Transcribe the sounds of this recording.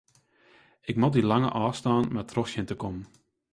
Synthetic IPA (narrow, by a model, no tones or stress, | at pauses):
ɪkmɔt̚dilɑŋə̰ʔaːstaːnmɛtʰrɔsjəntəkɔmən